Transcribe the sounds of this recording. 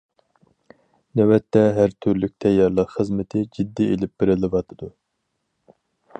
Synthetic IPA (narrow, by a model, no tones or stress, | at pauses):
nɛwɛt̪ʰːɛɦæɾt̪ʰyɾlyk̚ʲt̪ʰɛjːɑɾlˠəqχəzmɪt̪ʰɪd͡ʒid̪ːielɪp̚b̥ɪɾɪlˠɨvɑt̪ʰɨd̪u